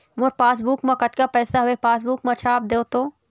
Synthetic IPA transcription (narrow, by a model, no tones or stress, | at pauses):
mʊɾpaːs̬buːkmãkɐt̪kapɛːsaɦʊepaːs̬buːkmãt͡ʃʰaːp̚d̪eːot̪oː